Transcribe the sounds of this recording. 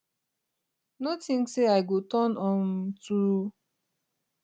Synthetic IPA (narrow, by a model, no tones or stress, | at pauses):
notĩŋseaɪɡotɔnɔ̃ntuu